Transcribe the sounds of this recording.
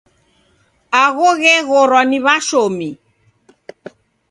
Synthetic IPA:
aɣɔɣɛɣɔɾɔniβaʃomi

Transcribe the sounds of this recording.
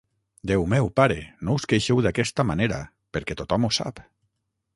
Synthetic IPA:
d̪ewmɛwpaɾenouskejʃewðakɛst̪amaneɾa̰ | peɾkɛt̪ot̪ɔmusa̰p

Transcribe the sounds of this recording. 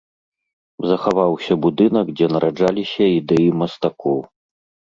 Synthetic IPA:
zɐxavawsʲɐbud̪ɨnɐkd͡zʲɛnɐɾʔad͡ʐalʲisʲɐid̪ɛjimɐst̪akɔw

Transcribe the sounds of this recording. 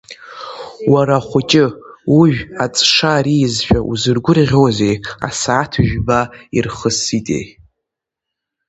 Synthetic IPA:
waɾaχʷʊt͡ʃʼɪuʒᶣat͡sʼʂaɾijzʃᶣaʔuzɨrɡʷʊrʁʲozeja̰saːtʰʒᶣbairχəsitʼḛj

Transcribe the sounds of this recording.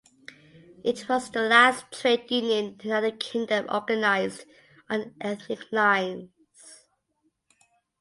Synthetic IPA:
ʔɪtʰwɒzðəlæstʰɹeɪdjʉnjə̃nənʌðəkʰɪ̃ŋdə̃mɔ̰ɡənaɪzd | ʔə̃nʔɛθnɪkʰlãɪ̃n | z̥

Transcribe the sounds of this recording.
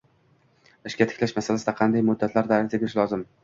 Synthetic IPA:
ɪʃkʲat̪ʰɪ̥kʲlaʃmasalasɪd̪aqʰɑnd̪ajmʊd̪ːat̪ʰlaɾd̪aɾzabeɾɪʃlɒzɪm

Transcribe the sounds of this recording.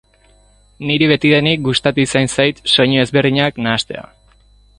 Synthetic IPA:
niɾiβ̞e̞t̪iðe̞nik̚ɡust̪at̪usajnsajt̪so̞ɲoe̞zβe̞ɾðiɲaknaːst̪e̞̰a̰

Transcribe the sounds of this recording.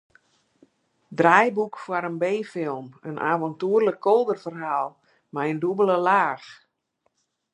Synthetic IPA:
drajbukfwaɾənbeːfɪlˠmənʔa̰ːvɔntuərləkʰːolˠdərfərɦaːlˠ | majəndubələlaːx

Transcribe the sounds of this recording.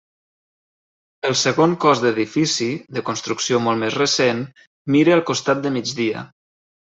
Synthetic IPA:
əlˠsəɣoŋkɔzd̪əðifisiðəkunst̪ɾuksiomolˠmezrəsen | miɾəːlˠkust̪at̪̚d̪əmid͡ʒðiə̰

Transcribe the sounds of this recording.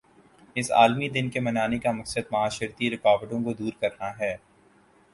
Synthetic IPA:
ɪsa̰ːlmid̪ɪnkemɐnaːnekamɐksəd̪̚mɐaːʃɪɾt̪iɾɪkaːʋəʈõkod̪uːɾkɐɾnaɦɛː

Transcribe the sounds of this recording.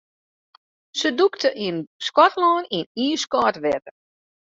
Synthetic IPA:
səduktəʔiənskɔtlɔːniniːskɔːtʋɛtə

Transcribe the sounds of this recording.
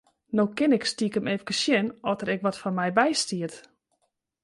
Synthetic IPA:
nokɪnɪkstikəmefə̥kəsjɛnɔtəɾɛkʋɔtfɔnmɛjbɛjstiət

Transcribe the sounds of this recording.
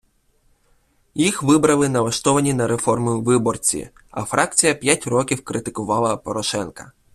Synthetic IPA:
jixʋɪbɾɐlˠɪnɐʋ̪ˠɐʃt̪ɔʋɐnʲinɐɾe̞fɔrmʊjʊʋɪbɔrt͡sʲḭ | ɐ̰fɾʔɑk̚t͡sʲijɐpʲjatʲrɔkʲiwkɾɪt̪ɪkʊʋɑlˠɐpɔɾɔʃɛnkɐ̥

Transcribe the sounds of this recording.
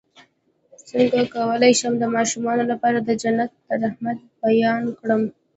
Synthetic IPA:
səŋɡakawəlajʃəmd̪əmɑʃumɑnolapɑɾad̪əd͡ʒanat̪̚ːəɾahmat̪̚bajɑnkɽəm

